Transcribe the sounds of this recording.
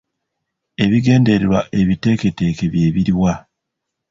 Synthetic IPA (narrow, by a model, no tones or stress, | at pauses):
e̞βiɡe̞ːnde̞ɾeɾwaʔe̞βite̞ke̞te̞ːke̞βje̞ːβiɾiwa